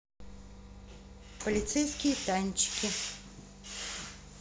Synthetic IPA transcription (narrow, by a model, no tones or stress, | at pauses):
pəlʲɪt̪sɛjskʲɪjət̪anʲt͡ɕːɪ̥kʲɪ